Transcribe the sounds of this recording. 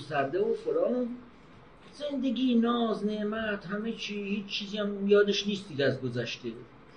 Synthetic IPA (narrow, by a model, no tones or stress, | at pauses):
st̪æɾd̪eofoɾɒːnun | ze̞nd̪eɡʲiːnɒːzneʔmæt̪hæmet͡ʃʰiːhiːt͡ʃt͡ʃʰːiːziæmjɒːd̪eʃniːst̪iːd̪æzɡozæʃt̪e